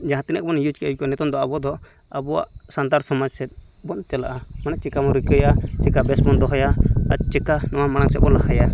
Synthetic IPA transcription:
d͡ʒaɦãt̪ɛnɛk̚bɔnjud͡ʒkɛkɔnɛt̪ɔnd̪ɔabɔd̪ɔ | abɔwa̰ʔsand̪aɾsɔmad͡ʒsɛt̪̚ | bɔnt̪ɛlaʔamanat͡ʃɛkamɔɾikəjat͡ʃɛkabɛsmɔnd̪ɔɦɔjaa̰t̪̚ˀt͡ʃɛkanɔwamaɽ̃aŋsɛt̪̚bɔnlakʰaja

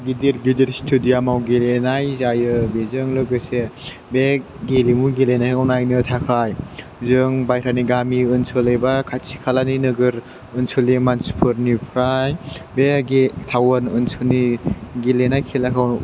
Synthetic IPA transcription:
ɡidiɾɡidiɾstʰudiamawɡilenajzajɯbezɯŋlɯɡɯse | be | ɡelimuɡilenajkawnajnɯtʰakʰaj | zɯŋbajɾʰaniɡamiɯnsʰɔlejbakʰasʰi̥kʰalaninɯɡɯɾ | ɯnsʰulimanspʰɯɾnipʰɾajbeɡitʰawɯnɯnsʰuniɡilenajkʰelakʰaw

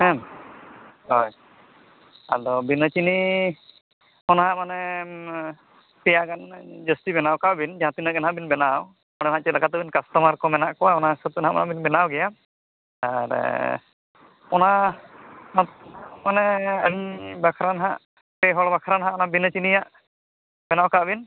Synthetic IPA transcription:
hɛ̃m | ɦɔj | a̰d̪ɔbinət͡ʃini | ɔnɦãʔmanɛ | pɛjaɡand͡ʒəstibɛnawkawbind͡ʒãt̪inaɡɛnɦabinbɛnaw | ɔɽ̃ɛnɦãʔt͡ʃɛlakat̪ɔbinkast̪ɔmaɾkɔmɛnaʔkɔwaɔnasɔt̪ɔnɦaʔɔ̰nabinbɛnawɡɛja | aɾ | ɔna | nɔt̪manɛəɲbakʰɾanɦa̰ʔ | pɛɦɔɽbakʰaɾanɦãʔɔnabinət͡ʃinijaʔ | mɛnawkaʔbin

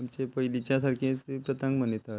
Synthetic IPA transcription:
amt͡ɕepəjlit͡ɕjasaɾkʰẽt͡sepɾət̪ə̃ŋɡmənit̪a

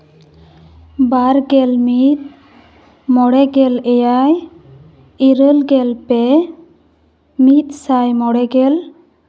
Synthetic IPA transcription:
baɾɡɛlmit̪̚ | mɔɽɛɡɛlɛjaj | iɾəlɡɛlpɛ | mit̪̚sajmɔɽɛɡɛl

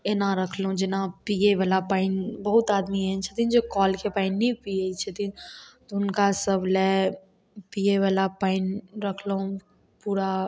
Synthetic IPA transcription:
enãɾɐkʰlũd͡ʒɪnãpieʋaːlapaːɪnbɐɦʊt̪aːd̪miɦɛt͡ʃʰət̪ʰĩnd͡ʒokɔːlkepaːɪnːĩpieit͡ʃʰɐt̪ĩt̪oʊnkasəblɛ | pieʋalapaːɪnɾɐkʰloũ | puːɾa

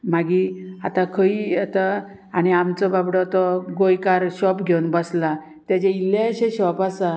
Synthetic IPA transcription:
maɡiat̪ãkʰəijɛt̪a | añiamt͡sɔbabɽɔt̪ɔɡojkaɾɕɔpɡʱewnbəsla | t̪jat͡ɕẽileəɕẽɕɔpasa

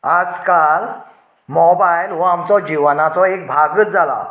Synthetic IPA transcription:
ad͡zkal | mɔbajlʋaamt͡sɔd͡ʑiʋanat͡sɔek̚bʱaɡətd͡zʱala̰

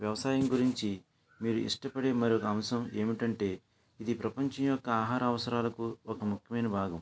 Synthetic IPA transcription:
ʋjɐʋɐsaːjɐmɡuɾiɲt͡ʃi | miːɾuʔḭʂʈɐpɐɽeːmɐɾiɔkɐɐmsɐme̞ːmiʈɐɳʈe̞ː | id̪ipɾɐpɐɲt͡ʃɐmjɔkːɐaːɦaːɾɐːʋɐsɐɾaːlɐkuɔkɐmukʰjɐmɐjnɐbʱaːɡɐm

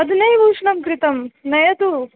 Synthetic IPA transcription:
ɐd̪nɐjʋuːʂnɐmkɾɪt̪ɐmnɐjɐt̪u

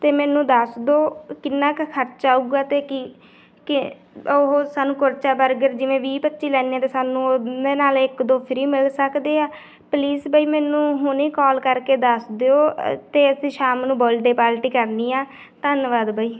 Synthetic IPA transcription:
t̪eːmɛːnũːd̪əsd̪oːkɪnːãːkkʰəɾt͡ʃaːuːɡaːt̪eːkɪ | kɪ | oɦoːsaːnũːkʊɾt͡ʃaːbəɾɡəɾd͡ʒɪʋẽːʋiːpətːʃiːlɛːniːãːt̪eːsaːnũːeːnaːlɪkd̪õːpʰɪɾiːmɪlsəkd̪eːaː | pliːsbaːiːmɛ̃ːnũːɦʊnĩːkɔːlkəɾkeːd̪əsd̪eːoːt̪eːəsĩːʃaːmnũːboːlɖeːpaːlʈiːkəɾniːaː | t̪ənʋaːd̪baːiː

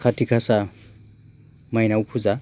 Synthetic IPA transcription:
kʰatʰikʰasa | majnawpʰuza

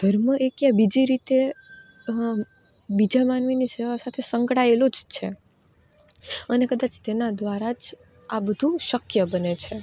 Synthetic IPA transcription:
d̪̥ʱəɾməʔekjabid͡ʒiɾit̪e | bid͡ʒamanʋiniseʋasat̪ʰesəŋkɽaelod͡ʒt͡ʃʰe | ənekəd̪at͡ʃt̪enad̪ʋaɾad͡ʒ | abəd̪ʱuʃəkjəbənet͡ʃʰe

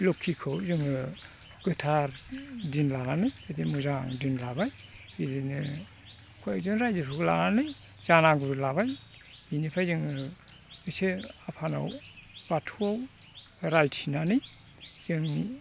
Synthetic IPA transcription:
lokʰːikʰɯwzɯŋɯ | ɡ̥ɯtʰaɾdinlananɯjɯdimuzaŋdinlabaj | hidinɯ | kʰɔjazɯŋɾajdɯɾʰuɡla̰nanɯj | z̥anaɡuɾlaβaj | inipʰajzɯŋɯ | ɯseapʰana̰wbatʰuawɾajtinanɯj | z̥ɯŋ

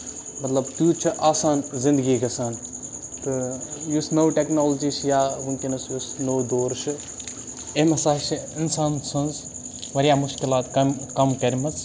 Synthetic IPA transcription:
mɐt̪lɐbt̪uːt͡ʃʰiʔaːsaːnzĩnd̪ɨɡiɡɐsaːnt̪ɨjusnowʈeknoːld͡ʒiːsjaːʋuŋkinɐsjusnoːd̪oːɾʃɨ | emɐsaːʃiinsaːnsʰɐnz | ʋɐɾjaːmuʃkilaːt̪kɐmkɐmkɐɾʲimɐt͡s

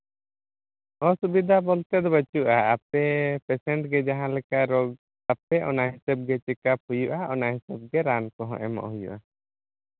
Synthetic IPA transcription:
ɔ̃subid̪ʱabɔlt̪ɛd̪ɔbət͡ʃuʔaːpɛpɛsɛɳʈɡɛd͡ʒaɦãlɛkaʔɾɔɡ̚ | apɛʔɔ̰naɦisab̚ɡɛt͡ʃɛkap̚hujuʔaʔɔnaɦisab̚ɡɛɾankɔɦɔ̰̃ʔɛmɔ̰ʔɦujṵʔa

